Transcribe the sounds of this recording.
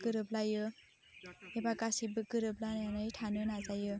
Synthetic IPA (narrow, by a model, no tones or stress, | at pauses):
kɯɾɯblajɯ | ebaɡasibɯkɯɾɯblanjanɯjtʰanɯnazajɯ